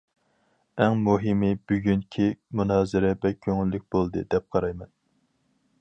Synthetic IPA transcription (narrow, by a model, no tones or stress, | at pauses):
ɛŋmuɦɪmɨbyɡʲynkʲʰimunɑːzɨɾɛbɛkʲʰːøŋylːɪk̚ʲbolˠd̪ɨ̰d̪ɛp̚qʰɑɾɑjmɛn